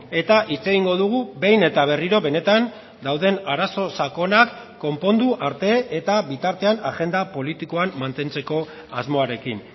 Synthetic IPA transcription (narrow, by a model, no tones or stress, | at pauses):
e̞t̪aʔit͡se̞ɣiŋɡo̞ðuɣ̞ube̞jne̞t̪aβ̞e̞riɾo̞βe̞ne̞t̪an | d̪awðe̞naɾaso̞sako̞nakː | o̞mpo̞nd̪uʔaɾt̪e̞ːt̪aβit̪aɾt̪e̞anaɣe̞nd̪apo̞lit̪iko̞amːant̪e̞nt͡se̞ko̞ | a̰zmo̞aɾe̞kin